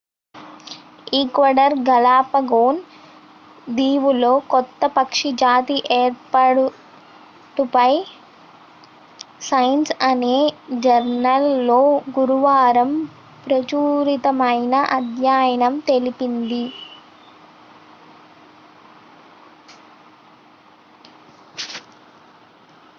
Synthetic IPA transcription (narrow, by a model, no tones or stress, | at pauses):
iːkʋɐɖɐɾɡɐlaːpɐɡoːn | d̪iːʋulo̞ːkɔt̪ːɐpɐkʂid͡ʒaːt̪iʔeːɾpaɽu | ʈupɐj | sɐjɐnsɐneːd͡ʒɐɾnɐlːo̞ːɡuɾuʋaːɾɐm | pɾɐt͡ʃuːɾit̪ɐmɐjnɐʔɐd̪ʱjaːjɐnɐmt̪e̞lipind̪i